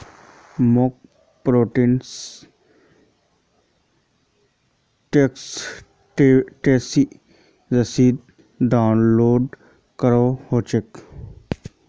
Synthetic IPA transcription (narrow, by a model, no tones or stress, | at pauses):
mok̚ | pɾoːʈins | ʈeks | ʈesi | zɐsiːd̪̚ | ɖaʊnloːɖ | kəɾohoːt͡ʃek